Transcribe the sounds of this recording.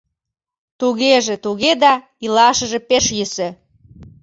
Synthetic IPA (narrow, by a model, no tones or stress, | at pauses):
t̪uɣeʒĕt̪uɣed̪ɑ | ilɑʃəʒĕpeʃjysø̆